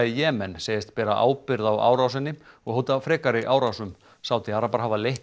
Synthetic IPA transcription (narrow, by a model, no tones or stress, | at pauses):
ɪjɛːmɛnseːjɪst̪pɛːɾaʔa̰ːwpɪɾðawa̰ːwɾawsɛnːɪɔɣhowt̪afɾɛːkaɾɪʔaːwɾawsʏm | saːwt̪ɪaːɾapaɾɦaːvaleh